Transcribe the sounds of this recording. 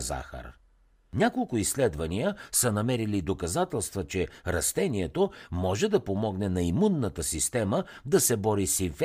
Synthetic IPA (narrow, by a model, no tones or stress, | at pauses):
za̰xə̰ɾ | nʲakolˠkʊislɛd̪vɐnijəsənɐmɛɾilid̪okɐzat̪ɛlˠst̪vət͡ʃɛɾɐst̪ɛniɛt̪omɔʒɛd̪ɐpomɔɡnɛnɐimunːət̪əsist̪ɛməd̪ɐsɛbɔɾisiɱf